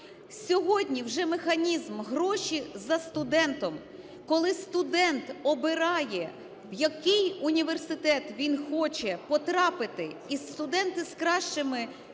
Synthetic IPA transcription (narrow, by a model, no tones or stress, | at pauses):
sʲɔɦɔdʲnʲiwʒɛmexɐnʲizmɦɾɔʃizɐst̪ʊd̪ɛnt̪ɔm | kɔlˠɪst̪ʊd̪ɛnt̪ɔbɪɾɑjɛ | wjɐkɪjʊnʲiʋersɪt̪ɛt̪ʋʲinxɔt͡ʃɛpɔt̪ɾɑpɪt̪ɪist̪ʊd̪ɛnt̪ɪskɾɑʃt͡ʃɪmɪ